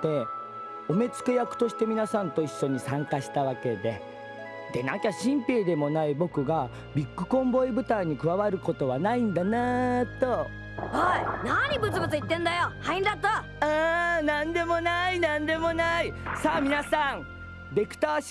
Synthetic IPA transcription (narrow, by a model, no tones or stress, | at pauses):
t̪e̞ | o̞me̞t͡sɨ̥kejakɯ̟̥t̪o̞ɕi̥t̪e̞mʲinasãnt̪o̞iɕːo̞ɲ̟isãŋkaɕi̥t̪aβake̞d̪e̞ | d̪̥e̞nã̰ŋkaɕĩmpʲeːd̪e̞mo̞naibo̞kɯ̟ɡa | bʲikːɯ̟̥kõ̞mbo̞ibɯ̟t̪aiɲ̟ikɯ̟βaβaɾɯ̟ko̞t̪o̞βanaĩnd̪anat̪o̞ | hainaɲ̟ibɯ̟t͡sɨbɯ̟t͡sɨit̪ːẽ̞nd̪ajohaĩnd̪at̪ːa | anãnd̪e̞mo̞nainãnd̪e̞mo̞naisaːmʲinasãm | be̞kɯ̟̥t̪aːɕ